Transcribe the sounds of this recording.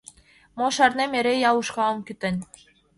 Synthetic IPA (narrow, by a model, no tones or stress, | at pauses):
moʃɑrnemʲeɾejɑluʃkɑɤmkʲyt̪ɘ̆nʲ